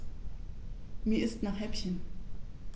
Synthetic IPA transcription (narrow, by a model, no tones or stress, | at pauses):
miːɐɪstnaχhɛpçən